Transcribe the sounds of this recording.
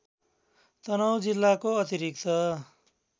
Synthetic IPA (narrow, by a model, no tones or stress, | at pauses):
t̪ʌnʌwd͡zilːakoʌt̪iɾik̚t̪ʌ